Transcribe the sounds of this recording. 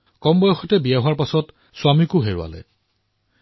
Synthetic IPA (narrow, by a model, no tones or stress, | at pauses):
kɔmbɔjɔxɔtɛbijaɦʊaɹpasɔt | sʊamikʊɦeɹʊ̰a̰lɛ̰